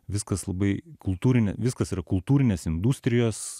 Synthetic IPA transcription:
ʋʲɪskɐslˠɐbɐɪkʊlˠt̪uːɾʲɪnʲeʋʲɪskɐsiːɾɐkʊlˠt̪uːɾʲɪnʲeːsɪnd̪usʲt̪ʲɾʲɪjoːs

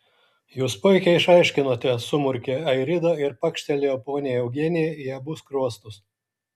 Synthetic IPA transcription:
juːspʊɪkʲɛɪʃɐɪʃʲkʲɪnoːt̪ʲɛsʊmʊɾʲkʲeɐɪɾʲɪd̪ɐɪɾpɐkʃʲt̪ʲɛlʲɪɐpoːnʲɪjɛɛʊɡʲiɛnʲɪjɛiɛbʊskɾuɔst̪ʊs

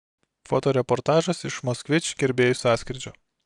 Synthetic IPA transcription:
foːt̪oːɾʲɛpɔɾt̪ɑːʒɐsɪʃmɔsʲkʋʲɪt͡ʃʲɡʲɛɾʲbʲeːjʊsʲɑːsʲkʲɾʲɪd͡ʒʲoː

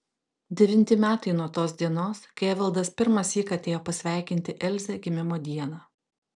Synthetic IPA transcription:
d̪ʲɛʋʲɪnʲt̪ʲɪmʲæːt̪ɐɪnuɔt̪oːsd̪ʲiɛnoːskɐʋʲɐlˠd̪ɐspʲɪɾmɐsiːkɐt̪ʲeːjoːpɐsʲʋʲæˑɪkʲɪnʲt̪ʲɪʔɛlʲzʲɛɡʲɪmʲɪmoːd̪ʲiɛnɑː

